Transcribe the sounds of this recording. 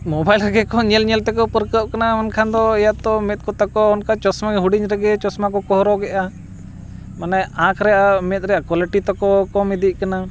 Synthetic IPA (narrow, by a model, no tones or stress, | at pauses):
mɔbajlɾɛɡɛkɔɲɛlɲɛlt̪ɛkɔpəɾkəp̚kanamankʰand̪ɔɛjat̪ɔmɛt̪̚kɔt̪akɔːnkat͡ʃɔsmaɡɛɦuɖiɲɾɛɡɛt͡ʃɔsmakɔkɔɦɾɔɡɛʔa | manaãkʰɾɛʔamɛt̪̚ɾɛjʔakwaliʈit̪ɔkɔkɔmid̪iʔ̚ˀkana